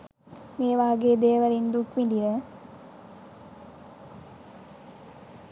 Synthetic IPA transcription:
meːʋaːɡeːd̪eːʋɐɾind̪ukʋind̪iɾɐ

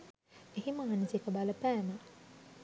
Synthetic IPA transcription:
eɦiməɦanisekəbaləpæːmə

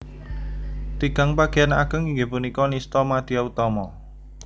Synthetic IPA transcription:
t̪iɡ̥a̤ŋpaɡ̥eanakəŋiŋɡepunikɔnist̪ɔmad̪̥iaut̪ɔmɔ

